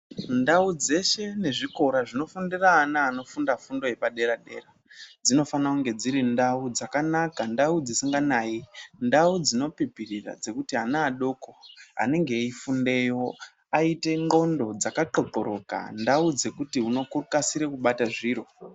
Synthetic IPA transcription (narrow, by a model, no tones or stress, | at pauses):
ndaud͡ze̞ʃe̞ne̞ʐiko̞ɾaʐino̞fundiraːnaːno̞fundafundo̞je̞paɗe̞ɾaɗe̞̰ːra | d͡zino̞fanakuŋɡe̞d͡ziɾindaud͡zakanakandaud͡zisiŋɡanaːindaud͡zino̞pipirira̰d͡ze̞kutiɦanaːɗo̞ko̞a̰ne̞ŋɡe̞ifunde̞jo̞ | aite̞ŋɡo̞ndo̞d͡zakaǃo̞ǃoɾo̞ka̰ndaud͡ze̞kutiuno̞kurukasiɾekuɓataʐiːɾo̞